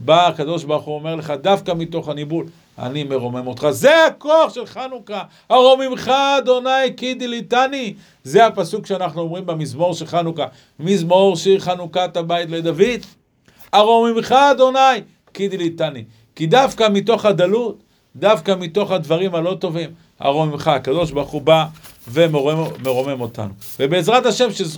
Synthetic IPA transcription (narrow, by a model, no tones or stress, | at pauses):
baːkad̪o̞ʃbaʁχuome̞ʁle̞χad̪afkamit̪o̞χanibul | a̰nime̞ʁo̞me̞mo̞t̪χaze̞ako̞aχʃe̞lχanuka | aʁo̞mimχaːd̪o̞najkid̪ilit̪ani | zeapasukʃeanaχnuo̞mʁimbemizmo̞ʁʃelχanuka | mizmoʁʃeχanukat̪abajt̪le̞d̪avid̪ | aʁomimχaːd̪o̞naj | kid̪ilit̪ani | kid̪afkamito̞χad̪alut̪ | d̪afkamit̪o̞χhad̪vaʁimhalo̞t̪o̞vim | a̰ʁo̞mimχaakado̞ʃ̬baʁχubavemmeʁo̞me̞mo̞t̪a̰nuvebe̞ːzʁataʃe̞mʃez